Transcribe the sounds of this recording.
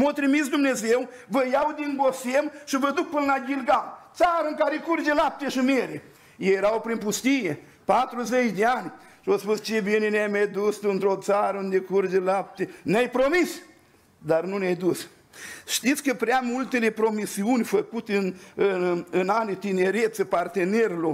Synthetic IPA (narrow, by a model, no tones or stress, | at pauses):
mot̪ɾimit̪s̬d̪umne̞zew | vəjawd̪inɡosemʃivəd̪uk̚pɨnəlaɡʲilɡalt̪saɾəɨŋkaɾekurd͡ʒelap̚t̪eʃimeɾe | jejeɾawpɾinpust̪ije | pat̪ɾuzet͡ʃd̪eanʲ | ʃiospust͡ʃebineneajmad̪ust̪ɨnt̪ɾot̪saɾəund̪ekurd͡ʒelap̚t̪eneajpɾomis | d̪arnuneajd̪us | ʃt̪it̪sʲkəpɾeamult̪ele̞pɾo̞misiunʲfəkut̪eɨnɨɨnanit̪ineɾet̪səpart̪e̞neɾilo